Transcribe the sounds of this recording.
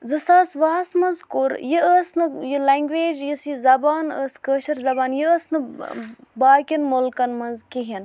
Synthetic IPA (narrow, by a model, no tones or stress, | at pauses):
zɨsaːsʋaːsmɐnzkuɾjiəsnɨjilɐŋɡʋeːd͡ʒjisizɐbaːnə̰ːskəːʃɐɾzɐbaːnjiəsnɨ | baːkʲinmulkɐnmɐnzkiɦin